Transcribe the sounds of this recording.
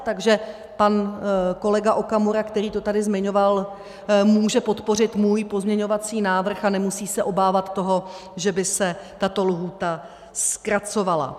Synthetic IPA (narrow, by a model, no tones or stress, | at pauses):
t̪aɡʒɛ | panko̞lɛɡaʔokamuɾakt̪ɛɾiːt̪ot̪adɪzmɪɲo̞val | muːʒɛpo̞t̪po̞rɪt̪muːjpo̞zmɲɛɲo̞vat͡siːnaːvr̩xanɛmusiːsɛʔo̞baːvat̪ːo̞ɦo̞ | ʒɛbɪsɛt̪at̪o̞luɦuːt̪a | skɾat͡so̞vala̰